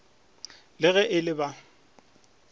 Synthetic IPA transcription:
lɪɣɛʔɪlɪba

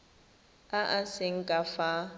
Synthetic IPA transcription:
aʔasɪŋ̩kʼafa

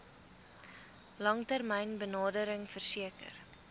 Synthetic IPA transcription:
lɐŋtərmɛjnbənɑːdəɾəŋfərsiəkə̰r

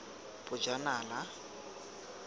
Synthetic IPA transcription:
bʊd͡ʒanaːla

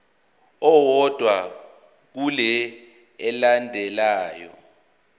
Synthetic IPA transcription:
ɔwɔd̥ʱwa | k̬ulɛ | ɛlandʱɛlaːjɔ̰

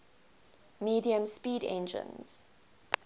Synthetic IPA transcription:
miːdiə̃mspiːdɛ̰̃nd͡ʒə̰̃nz̥

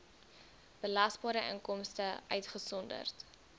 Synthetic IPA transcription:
b̥əlɐsbɑːɾəʔəŋkɔmstəœɥtχəsɔndə̰rt

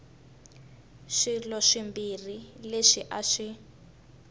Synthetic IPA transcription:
ʂilɔʂimbirileʂiʔaʂi

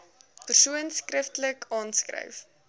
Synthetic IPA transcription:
pərsuənskrəftələkɑːnskrə̰jf

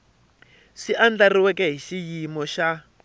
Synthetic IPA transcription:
ʂiʔand͡ɮariwɛkɛɦiʃijimɔʃa

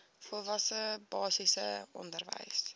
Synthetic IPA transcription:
fɔlˠvɐsəbɑːsisəʔɔ̰ndərvə̰js

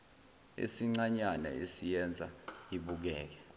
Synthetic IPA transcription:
ḭsiŋ͡ǀaɲanɛ̰esijɛnd͡zʱa̰iɓuk̬ɛːk̬ɛ̥

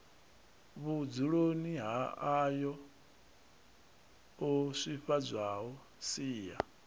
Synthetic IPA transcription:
βud͡zuɺoniɦaajɔ | oʂʷiɸad͡zʷaɦɔ | siːja̰

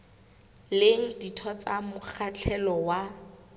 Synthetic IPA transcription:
leŋ̩ditʰɔt͡samʊk͡xʰat͡ɬʰɛlɔwa

